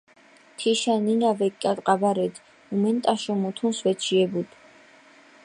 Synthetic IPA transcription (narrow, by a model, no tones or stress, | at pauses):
t̪ʰiʃaninavɛkʼːat̪ʼqʼabaɾɛd̪ | umɛnt̪ʼaʃɔmut̪ʰunsvɛt͡ʃʰiɛbud̪